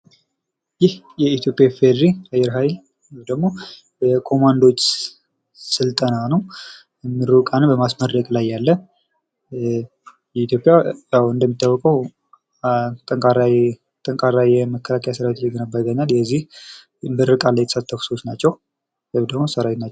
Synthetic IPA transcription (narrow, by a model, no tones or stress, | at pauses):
jɪh | jɛit̪ʰjo̞pʼjafed̪ɾiajɛɾɦajl | wmd̪əɡmo | bəkʰo̞mand̪o̞t͡ʃː | sɨlt̪ʼənanəw | ɛmːɨɾukʼanɨnbəmasmərːəkʼlajːalːə | jɛit̪ʰjo̞pʼjajawɨnd̪əmːit̪ʰːawːɔkʼəw | t̪ʼəŋkʼaɾa | t̪ʼəŋkʼaɾajjɛməkʰːəlakʰəjasəɾawet̪jɛɡənəbːaɡəɲːaljɛzːih | ɨnbəɾɨkʼalːəjɛt̪ʰə̥sat̪ʰːəfu̥sost̪nat͡ʃːɛw | əd̪əɡmosəɾawet̪nat͡ʃː